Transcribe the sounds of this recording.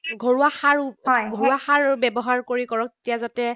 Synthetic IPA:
ɡʱoɹuaxaɹɔjɡʱoɹuaxaɹbɛbɔɦaɹkoɹikɔɹɔk̚te̥tijazatɛ

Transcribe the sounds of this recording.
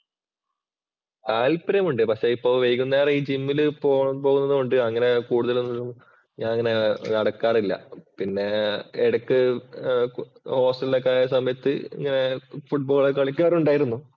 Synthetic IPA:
kaːlpɐɾɐmuɳɖɨpɐkʂe̞ipːoːʋejkʲːunːɐaːriːd͡ʑimːilɨpoːpoːɣunːɐðɨkoɳɖɨɐŋːɐne̞kuːɽuðɐlonːilːum | ɲaːnɐŋːɐne̞nɐɽɐkːaːrilːɐ̰pinːe̞eɽɐkːɨ | ho̞ːsʈɐlːokːaːjɐsɐmɐjɐt̪ːɨḭŋːɐne̞fuʈ̚boːɭekɐɭikʲːaːruɳɖaːjiɾunːu

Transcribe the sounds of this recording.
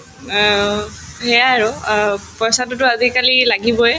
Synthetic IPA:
ɦɛjaːɹʊpɔsatʊtʊazikalilaɡibɔɛ

